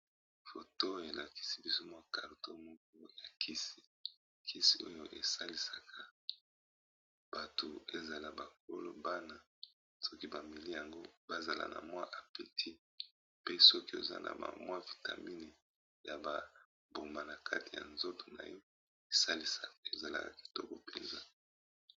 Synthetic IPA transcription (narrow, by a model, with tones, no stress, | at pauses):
fo˨to˦e˨la˨ki̥˨si˦bi˦so˦mwa˦ka˨lo˨to˦mɔ˦ko˦ja˨kʰi˦si̥˨ | kʰi˦si˦o˦jo˦ʔe˨sa˦li˦sa˨kʰa˦ | b̥a˨to˨e˦za˨la˨ba˨k̚o˦lo̰˦ba˦na˨ | sɔ˦ki˦ba˨mi˨li˦ja˨ŋɡo˦ba˦za˨la̰˨nʔa̰˨mwa˦ʔa˨pe˨tʰi˦ | pe˦sɔ˦ki˦o̰˨za̰˦nʔa̰˨ba̰˨mwa˦vi˨ta˨mi˦ni˨ | ja˨ba˨ | bo˨ma˨na˨kʰa̰˦ti˨ja̰˨nzo˦tʰo̥˨na̰˨jɔ˦ | e˨sa˦li˦sa˨e˨za˨la̰˨ka̰˨ki̥˨tɔ˦kɔ˨pe˨nza˦